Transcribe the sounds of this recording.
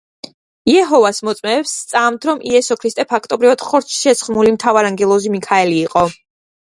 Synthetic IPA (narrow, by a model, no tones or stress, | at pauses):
iɛɦɔvasmɔt̪sʼmɛːpst̪sʼamt̪ʰɾɔmʔiɛsɔkʰɾist̪ʼɛpʰak̚ʰt̪ʼɔbɾivad̪̥χɔɾt̪t͡ʃʰʃɛt̪sχmulimt̪ʰavaɾaŋɡɛlˠɔzimikʰaɛliːqʼɔ